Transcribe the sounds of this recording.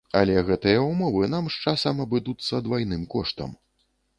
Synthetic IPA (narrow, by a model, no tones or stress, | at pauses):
ɐ̰lʲɛɣɛt̪ɨjɐumɔvɨn̪amʂt͡ʂasɐmɐbɨd̪ut̪sːɐd̪vajnɨmkɔʂt̪ɐ̰m